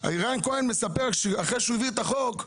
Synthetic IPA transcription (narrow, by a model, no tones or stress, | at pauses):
a̰iʁainkoenmesapeʁʃeaχeʃuiviet̪aχok